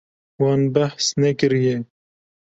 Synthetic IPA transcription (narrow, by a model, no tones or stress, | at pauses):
wɑnbæhsnɛkɨɾijɛ